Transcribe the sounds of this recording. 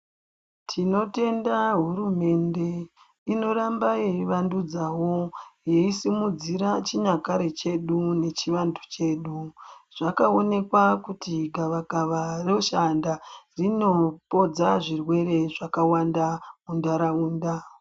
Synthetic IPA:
tʰino̞te̞ndaɦurume̞nde̞ | ino̞ɾambajeiʋandud͡zawoje̞isimud͡ziɾat͡ʃiɲakaɾe̞t͡ʃe̞ɗune̞t͡ʃiʋandʰu̥t͡ʃe̞ːɗuʐ̥akao̞ne̞kwakutiɡʱaʋakaʋaroʃandarino̞po̞d͡zaʐirwe̞ɾe̞ʐakawandamundaɾauːnda

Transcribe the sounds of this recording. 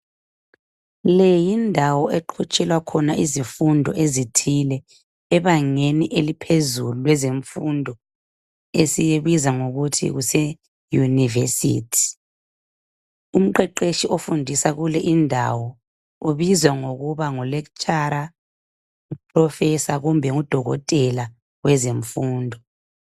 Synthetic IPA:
lɛjindʱawɔʔeǃʰut͡ʃʼɛlwakʰɔnaʔizifundʱɔʔezitʰilɛː | βaŋeniʔelipʰezululwɛzeɱfundʱɔ | esijeβizaŋoɣutʰḭɣusɛ | junivesḭtʰi̥ | um̩ǃɛǃeʃiʔofundʱisaɣulɛʔindʱa̰wɔ | uβizwaŋoɣuβaŋɔlɛk̬t͡ʃʼaɾa | upʰrɔfɛsaɣumbʱɛŋud̥ʱɔɣɔ̰tʼɛla | wɛzeɱfuːndʱɔ

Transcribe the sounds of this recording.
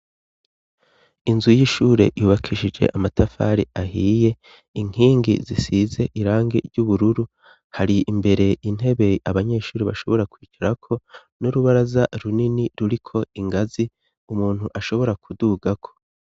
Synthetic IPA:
inzujiʃuːɾe̞̰juːβakʰiʃid͡ʒe̞̰ʔamatafa̰ɾiaɦiːje̞ | iŋ̥hiːŋɡizisize̞ʔiɾaːŋɡḛɾɟuβuɾuɾu | haɾiimbe̞ɾe̞in̥he̞βe̞aβaɲe̞ːʃuːɾiβa̰ʃo̞βo̞ɾakwiːciɾakʰo̞ | nuɾuβaɾazaɾuniniɾuɾikʰo̞iŋɡazi | umuːn̥huʔaʃo̞βo̞ɾakʰuduɡakʰo̞

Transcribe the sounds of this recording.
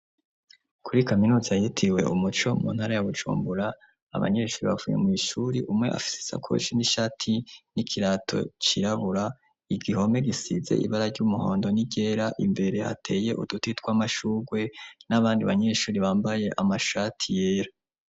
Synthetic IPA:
kʰuɾikaminuːzajitʰiwe̞̰ʔumut͡ʃo̞mṵːn̥haɾajaβud͡ʒṵːmbuɾa̰ː | βa̰ɲe̞ʃuːɾiβavuːje̞̰miːʃuɾiʔumŋe̞ʔa̰fi̥si̥sa̰kʰo̰t͡ʃiniʃaːtʰinikʰiɾaːtʰo̞̰t͡ʃiɾaβuɾa | iɡiho̞me̞ɡisize̞̰ʔḭβaɾaɾɟumuho̞ːndo̞niɟe̞ːɾaʔimbe̞ɾe̞ha̰tʰe̞ːje̞ʔṵdutitɡwamaʃuːɡwe̞naβaːndiβaɲe̞ːʃuːɾiβaːmbaje̞ʔamaʃatʰijeːɾa

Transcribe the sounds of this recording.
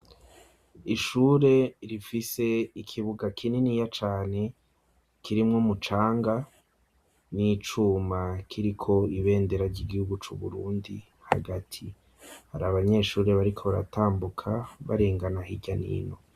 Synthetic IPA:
iʃuːɾe̞ɾifise̞ikʰiβuɡakʰininijat͡ʃaːne̞ | kʰiɾimŋo̞mut͡ʃaːŋɡa | nit͡ʃumakʰiɾikʰo̞iβe̞ːnde̞ɾaɾɟiɡihuɡut͡ʃuβṵɾuːndi | ha̰ɡatʰi | haɾaβaɲe̞ʃuːɾe̞βaɾikʰo̞βaɾa̰tʰaːmbukʰaβaɾeːŋɡanahiɟanḭːno̞

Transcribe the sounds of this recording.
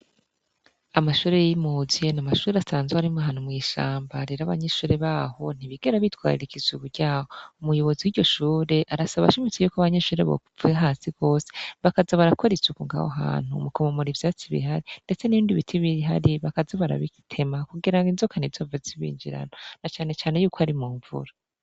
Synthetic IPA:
amaʃuːɾe̞jimozienamaʃuːɾeasaːnzweaɾimoaɦaːn̥umŋiːʃa̰ːmbaɾeɾaβa̰ɲeʃuːɾe̞βaːho̞n̥iβiɡe̞ɾaβitwa̰ːɾḭɾikizuɡuɾɟaːhoumujo̞βo̞ziwiɾɟo̞ʃuːɾe̞ʔaɾasaβa̰ʃimit͡sejukaβaɲeʃuːɾe̞̰βo̰uvuaɦaːsiko̞ːse̥βakazaβaɾako̞ɾet͡sukuŋɡa̰woɦa̰ːn̥ṵmukʰomomoɾivjaːt͡siβḭɦaɾind̥e̞t͡se̞niβiːndiβitʰiβiɦa̰ɾiβakazaβaɾa̰βiki̥tʰe̞makuɡiɾaŋɡinzokʰanizovaziβḭːɲd͡ʒḭɾa̰nonat͡ʃaːne̞t͡ʃaːne̞juːkohaɾimuːɱvṵɾa

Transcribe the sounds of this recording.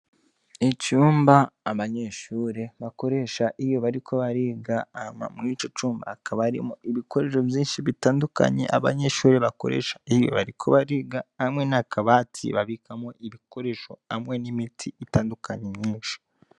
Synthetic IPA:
icuːmbaːβaɲe̞ʃuːɾe̞βako̞ɾe̞ʃaʔijo̞βaɾikʰo̞βaɾiːɡaama̰miːt͡ʃo̞t͡ʃuːmba̰ːkʰaβaɾḭmuiβiko̞ɾe̞ʃo̞vjiːnʃiβitaːnduka̰ɲḛʔa̰βa̰ɲe̞ʃuːɾe̞βako̞̰ɾḛːʃḁijo̞̰βa̰ɾikʰo̞βaɾiːɡaamŋe̞nakʰaβaːtʰḭβaβikamoʔiβiko̞ɾe̞ʃo̞amŋe̞nimitʰiitaːndukaɲemɲiːnʃi̥

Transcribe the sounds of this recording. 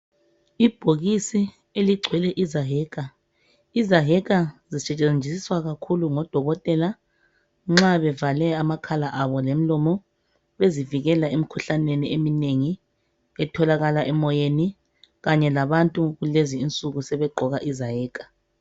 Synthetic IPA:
ib̥ʱoɣisi | eliɡ͡ǀʱwɛlɛʔizaɦɛːkʼa | izaɦɛkʼazisɛt͡ʃʼend͡ʒʱisiswaɣakʰuluŋɔd̥ʱɔɣɔtʼɛla | ŋ͡ǁaβɛvalɛamakʰalaʔaβɔlem̩lɔmɔ | βeziviɣɛlaemikʰuɬaneniemineŋi | ɛtʰɔlaɣalaʔɛmɔjeni | ɣaɲɛlaβantʼuɣuleziːnt͡sʼuɣusɛβɛɡ͡ǃʱɔɣaʔizaɦɛːkʼḁ

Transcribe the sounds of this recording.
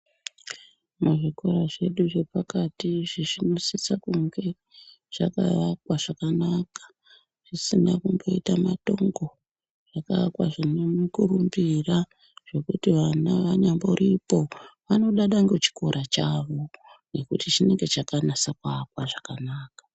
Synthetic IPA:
muʐiko̞ɾaʐe̞ɗuʐe̞pakatiʐiʐino̞sit͡sakuŋɡe̞ | ʐ̥aka̰kwaʐakanakḁ | ʐ̥isinakumbo̞itamato̞ŋɡo̞ | ʐ̥akakwaʐinomukurumbira | ʐ̥e̞kutiʋanaʋaɲamboɾipo̞ʋano̞ɗaɗaŋɡe̞t͡ʃi̥ko̞ɾʔat͡ʃaʋo̞ne̞kutit͡ʃine̞ŋɡe̞t͡ʃakanasakwakwaʐakanaːkḁ

